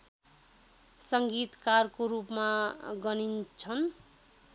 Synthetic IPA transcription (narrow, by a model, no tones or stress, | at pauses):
sʌŋɡit̪karkoɾupmaɡʌnint͡sʰʌn